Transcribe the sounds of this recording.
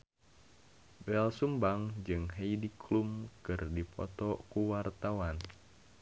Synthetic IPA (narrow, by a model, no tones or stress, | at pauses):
bɛlsumbaŋd͡ʒɨŋɦejdikʰlumkɨrdipʰɔ̰t̪ɔkuwart̪awan